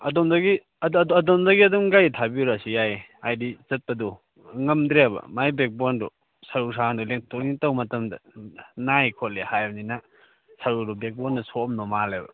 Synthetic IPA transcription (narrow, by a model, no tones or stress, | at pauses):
ɐ̰dɔmdaɡi | ɐdddɔmdɐɡiɐdɔmɡajtʰabiɾasijaj | ajdizɐt̚pɐdɔ | ŋɐmdɾebɐ̰majbek̚bɔndɔ | sɐɾus̬aŋdɔleŋtɔknitɐwmɐtɐmdɐ̰najkʰɔt̚lehajnina | saɾudɔbek̚bɔnːɐsɔɔmnɔmalebɐ̰